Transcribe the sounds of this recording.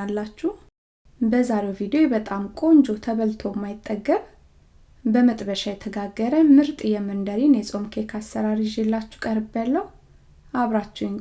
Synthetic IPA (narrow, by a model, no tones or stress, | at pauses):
alːat͡ʃːuh | bəzaɾewvid̪ejobət̪ʼamkʼo̞nd͡ʒo̞t̪ʰəβəlt̪ʰo̞mːajɪt̪ʼːəɡːəβ | bəmət̪ʼbəʃajɛt̪ʰəɡaɡːəɾəmɨɾt̪ʼjɛmːɨnd̪əɾinjɛsʼo̞mkʰekʰasːəɾaɾiʒɛlːat͡ʃːu̥kʼəɾbəlːəh | ʔaβɾat͡ʃːɛwn